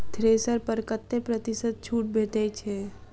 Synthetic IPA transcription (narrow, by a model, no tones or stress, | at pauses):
t̪ʰɾeːsəɾpəɾkət̪ːepɾət̪ɪsət̪̚t͡ʃʰuːʈ̚bʱeːʈɛt͡ʃʰɛ